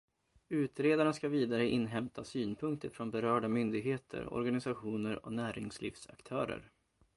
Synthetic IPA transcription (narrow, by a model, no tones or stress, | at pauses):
ʉ̟ːt̪ɾeːd̪aɳaskaviːd̪aɾəʔɪnːɦɛmt̪ʰasyːnpʰɵŋk̚t̪ʰəɾfɾɔnbɛɾœːɖamʏnd̪ɪɡɦeːt̪ʰə̰ɾɔ̰ɾɡanɪsaɧuːnəɾɔ̰næːɾɪŋslɪ̰ːfsa̰kt̪ʰœːɾə̰ɾ